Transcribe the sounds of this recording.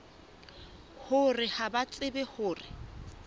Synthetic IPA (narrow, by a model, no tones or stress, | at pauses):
hʊrɪhabat͡sʼɪbɛhʊːrɪ